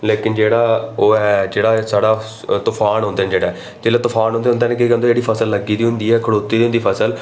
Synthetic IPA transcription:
leːkɪnd͡ʒeːɽaːoːɦɛːd͡ʒeːɽaːsaːɽaː | t̪ʊfʰaːnɦõːnd̪eːnːd͡ʒeːɽaːɛ | d͡ʒeːlaːt̪ʊfʰaːnɦõnd̪eːɦʊnd̪eːneːkekə̃nd̪oːd͡ʒeːɽiːpʰəsəlːəɡiːd̪iːɦʊ̃nd̪iːɛːkʰəɽoːt̪ːiːd̪iːɦʊnd̪iːpʰəsəl

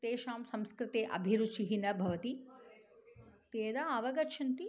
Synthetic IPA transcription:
t̪eːʃaːmsɐ̃mskɾɪt̪eːʔɐ̰bʱiɾut͡ʃiɦinɐbʱɐʋɐt̪i | t̪eːd̪aɐʋɐɡɐʃʰɐnt̪i

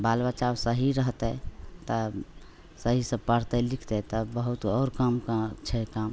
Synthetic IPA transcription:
balbat͡ʃawsəɦiɾəɦt̪ɛt̪ə | səɦisə̃pəɾt̪ɛlikʰt̪ɛt̪ɔbəɦut̪ɔːɾkamkt͡ʃʰɛkam

